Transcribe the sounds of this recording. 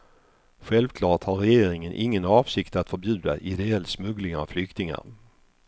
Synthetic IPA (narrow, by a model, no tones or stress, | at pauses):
ɧɛlvkʰlɑːʈhaɾɛjeːɾɪŋənʔɪŋːənɑːvsɪkt̪at̪fœɾbjʉ̟ːd̪aʔɪd̪ɛɛlːsmɵɡlɪŋavflʏkt̪ɪŋa̰ɾ